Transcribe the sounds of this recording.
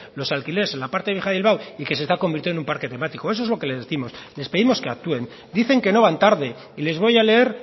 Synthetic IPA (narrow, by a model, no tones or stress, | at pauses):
lo̞salkile̞ɾesenlapaɾt̪eβ̞jixaðilβawike̞sest̪akombiɾt̪jið̞nũmpaɾke̞t̪e̞mat̪iko̞e̞so̞ezlo̞ke̞le̞zðeθimo̞sle̞speðimo̞ske̞a̰k̚t̪ue̞n | d̪iθe̞ŋke̞no̞βant̪aɾðe̞ | ile̞zβo̞jale̞eɾ